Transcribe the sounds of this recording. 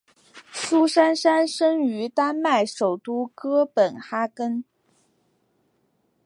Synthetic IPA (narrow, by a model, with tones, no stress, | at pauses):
su˥ʂa˥nʂa˥nʂə˥ŋy˧˥t̪a˥nma˥˩ɪʂo˨˩ʊt̪u˥kɤ˥pə˨˩nxa˥kə˥n